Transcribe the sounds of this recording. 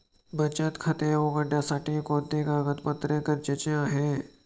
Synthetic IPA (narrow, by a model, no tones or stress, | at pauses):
bɐt͡ʃət̪kʰɐt̪eoːɡɐɖãːsaːʈikoːd̪eːkaːɡət̪pət̪ɾekəɾt͡ʃɐt͡ʃjãɦɛː